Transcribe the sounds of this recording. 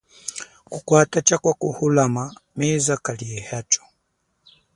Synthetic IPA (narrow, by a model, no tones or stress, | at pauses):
kukwatat͡ʃakwakuhulamamɛzakaliɛhat͡ʃɔ̥